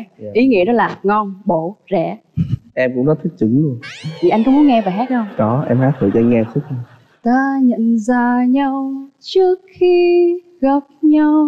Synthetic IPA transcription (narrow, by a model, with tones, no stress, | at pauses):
ʔi˨˦ŋḭ˧˥ənɔ˨˦laː˨˩ŋɔ˧nɓo˧˩˨zɛ̰˧˩ʔɛ˧mkʊ̰˧˥ŋ͡mnɔ˨˦t̪ʰi˦˥k̚t͡ɕɨ˨˦ŋlu˧ənt̪ʰi˨˩ʔa˧jŋkʊ̰˧˥ŋ͡mmu˨˦ŋɛ˧vaː˨˩ɦɛ˦˥t̚ə˧ŋ͡mkɔ˨˦ʔɛ˧mhaː˦˥t̪ʰɨ̰˧˨t͡ɕːŋɛ˧su˦˥k̚ | t̪aː˧ɲə̰˧˨nzaː˧ɲa˧wt͡ɕɨ˦˥ək̚xi˧ | ɣa˨˩wp̚ɲa˧w